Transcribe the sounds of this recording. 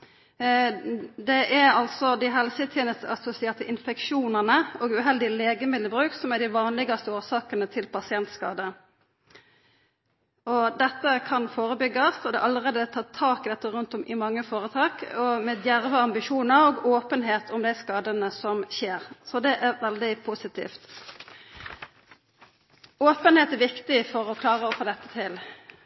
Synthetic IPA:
d̪ɛʔæɾɑlt̪sɔd̪ɪɦɛlsət̪ʰjɛːnəst̪əɑsʊsɪeːt̪ʰəʔɪnfɛkʂuːnəʁnəɔɡʉɦɛld̪ɪleːɡəmɪd̪əbʁʉːksɔmæɖ̪ɪʋɑːnlɪɡɑst̪əoːsɑːkənət̪ʰɪlpʰɑsɪɛnt̪skɑːd̪ə | ɔd̪ɛt̪ːəkʰɑnfoːʁəbʏɡːɑst̪ɔd̪ɛ̰ʔɑləʁeːd̪ət̪ʰɑːt̪ʰːɑːkɪd̪ɛt̪ːəʁʉnt̪ɔmʔɪmɑŋːəfoːɾət̪ʰɑːkɔmɛd̪jæʁʋəɑmbɪʃuːnəɾoːɡoːpənɦeːt̪ʰɔmd̪æɪskɑːd̪ənəsɔmçeːʁsɔd̪ɛʔæɾʋɛld̪ɪpʰusɪt̪ḭːft̪ | oːpənheːt̪æɾʋɪkt̪ɪfɔʁɔkʰlɑːʁəɔfoːd̪ɛt̪ːət̪ʰɪl

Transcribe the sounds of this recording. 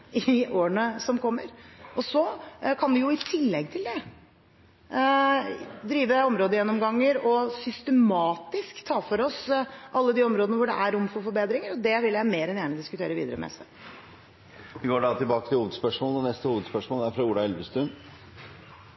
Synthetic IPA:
ɪʔoːəɳəsɔmkʰɔmːəɾʔɔsɔkʰɑnʋɪjʊɪt̪ʰɪlːɛɡt̪ʰɪld̪ɛ | d̪ɾiːʋəɔmɾoːd̪əjɛnːɔmɡɑŋːəɾɔsʏst̪əmɑːt̪ɪskt̪ʰːɑːfɔɾɔsʔɑlːəd̪iːɔmɾoːd̪ənəʋʊɖɛ̰ʔæɾʊmfɔɾfɔɾbeːd̪ɾɪŋəɾɔd̪ɛʋɪljæɪmeːɾɛnjæːnɪd̪ɪskʉt̪ʰḛːɾəʋiːd̪əɾəmɛ̰sɛ | ʋɪɡoːɖɑt̪ʰɪlbɑːkət̪ʰɪluːʋəd̪spœʂmoːləɛnɛst̪əhuːʋəd̪spœʂmoːlæɾfɾɑuːɖ̪ɑɛlʋəst̪ɾʉn

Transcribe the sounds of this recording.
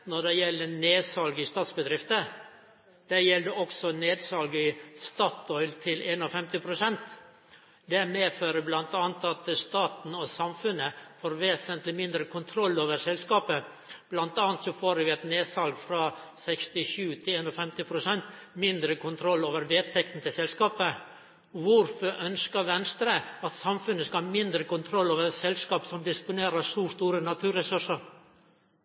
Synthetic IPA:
nɔɖɛjɛlːəneːdsɑlɡɪst̪ɑːt̪sbəd̪ɾɪft̪ə | d̪̥ɛjɛld̪əʔɔksɔneːd̪sɑlɡəɪst̪ɑːt̪ʰɔʏlt̪ʰɪleːnɔfɛmt̪ɪpʰɾʊsɛnt̪ | d̪æmeːføːɾəblɑnt̪ɑːnt̪ɑt̪st̪ɑːt̪n̩ɔsɑmfʉnəfoːɾʋeːsənt̪lɪmɪnd̪ɾəkʰʊnt̪ʰɾɔlːoːʋəɾsɛlskɑːpə | b̥lɑnt̪ɑːɑnt̪sɔfoːɾʋɪɛt̪neːsɑlɡfɾɑːsɛkst̪ɪʂʉːt̪ʰɪleːnɔfɛmt̪ɪpʰɾʊsɛnt̪mɪnd̪ɾəkʊnt̪ʰɾɔlːoːʋəɾʋeːt̪ʰɛk̚t̪n̩t̪ʰɪlsɛlskɑːpə | ʋʊɾfɔɾʔœnskɑɾʋɛnst̪ɾəɑt̪sɑmfʉnːəskɑɑɾmɪnd̪ɾəkʊnt̪ʰɾɔlːoːʋəsɛlskɑːpsɔmd̪ɪspʊneːɾəʂuːʂt̪uːɾənɑt̪ʰʉːɾɛsɵʂəɾ

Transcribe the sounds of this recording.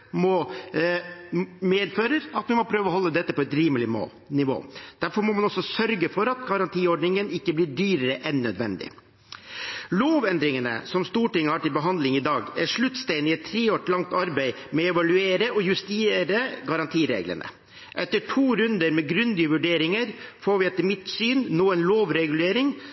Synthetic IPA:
mɔ | meːd̪føːɾəɾɑt̪mɛmɔpʰɾøːʋəɔɦɔlːəd̪ɛt̪ːəpɔɛt̪ɾiːməlɪmo̰ː | nɪʋo̰ːd̪̥æɾfɔɾmɔmɑnɔsːɔsœɾɡəfɔɾɑt̪ɡɑɾɑnt̪ʰiːɔɖnɪŋənɪkːəblɪːɖyːɾəɾəʔɛnːœd̪ʋɛ̰nd̪ɪ̰ | loːʋɛnd̪ɾɪŋənə̰sɔmst̪uːʈɪŋːəhɑʈɪlbəɦɑnd̪lɪŋɪd̪ɑːɡæɾʂɭʉt̪ːst̪æɪnɪɛt̪ʰːɾeːoːʈlɑŋt̪ɑɾbæɪ | mɛɛʋɑlʉeːɾəɔjʉst̪ɪeɾəɡɑɾɑnt̪ʰiːɾḛːɡlə̰nʔə̰ | ʔɛt̪ːəʈʰuːɾʉnd̪əɾmɛɡɾʉnd̪ɪəʋʉɖeːɾɪŋəɾfoːɾʋɪɛt̪ːəmɪt̪syːnːoːɛnloːʋɾɛɡʉleːɾɪŋ

